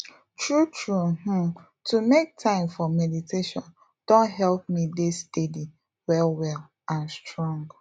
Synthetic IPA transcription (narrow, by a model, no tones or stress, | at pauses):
tʰɹutʰɹuhũ | tʰumek̚tʰãɪ̃mfɔmɛditʰeʃɔ̃n | d̥õntɦɛlˠp̚midɪstedi | wɛlwɛlˠ | ãnstʰɹɔ̃ŋɡ